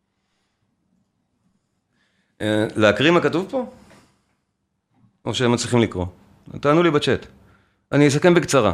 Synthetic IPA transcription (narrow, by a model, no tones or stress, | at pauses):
leakʁimakatuvpo̞ | ʔoʃeemat͡sliχimlikʁo̞ | t̪aːnulibat͡ʃet̪ | anies̬ake̞mbikt͡saʁa̰